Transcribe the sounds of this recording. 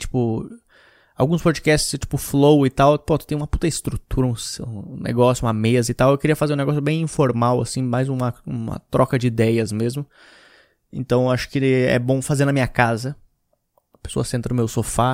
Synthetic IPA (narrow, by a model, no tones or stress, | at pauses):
t͡ʃi̥pʊ | awɡũspod͡ʒikɛst͡ʃɪz̥t͡ʃi̥pʊflowɪt̪awpot̪ʊ̥t̪ẽj̃ũmɐput̪ɐɪst̪ɾut̪uɾɐũsẽnḛɡɔsjʊũmɐmezɐit̪awewkeɾiɐfazeɾũneɡɔsjʊbẽj̃ĩfoɾmawa̰sĩmajzũmɐũmɐ̰t̪ɾɔkɐd͡ʒɪid̪ɛjɐzmezmʊ | ḛ̃nt̪ɐ̃w̃aʃʊ̥kɪɛ̰bõfazeɾnɐmĩɲɐkazɐ | ɐpe̥so̰ɐsẽnt̪ɾɐnʊmewsofa